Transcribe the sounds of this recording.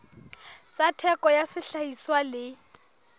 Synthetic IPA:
t͡satʰɛkɔjasɪɬaiswalɪ

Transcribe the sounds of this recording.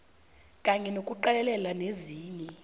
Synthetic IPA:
kʼaɲɛnokʼuǃɛlɛlɛlaneziːɲɛ

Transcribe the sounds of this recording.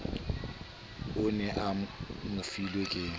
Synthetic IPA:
ʊnɛʔamʊfilwekʼɪ

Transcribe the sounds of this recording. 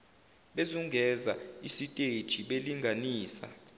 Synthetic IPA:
ɓezuŋɡʱɛzaisitʼed̥ʒ̥ʱiɓeliŋɡʱaniːsa̰

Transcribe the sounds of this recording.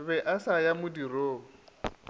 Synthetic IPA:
βɛʔasajamʊdiroː

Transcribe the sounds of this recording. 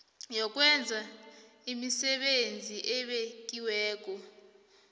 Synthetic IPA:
jɔk̬ʼwɛnd͡zʱaimisɛɓend͡zʱiʔɛɓek̬ʼiwɛːk̬ɔ

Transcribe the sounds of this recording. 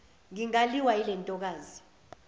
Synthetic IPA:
ŋiŋaliwailɛntʼɔk̬aːzi

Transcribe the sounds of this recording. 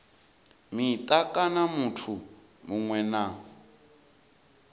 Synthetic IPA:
mit̪ʼakʼanamutʰu | muŋwɛna

